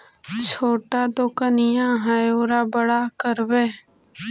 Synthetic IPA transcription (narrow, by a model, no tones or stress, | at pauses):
t͡ʃʰoːʈad̪okənɪjãɦajoːɾabəɽakəɾbeː